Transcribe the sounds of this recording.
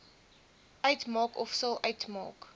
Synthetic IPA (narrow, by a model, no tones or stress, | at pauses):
ʔəjtmɑːkɔfsəlˠʔɐjtmɑ̰ːk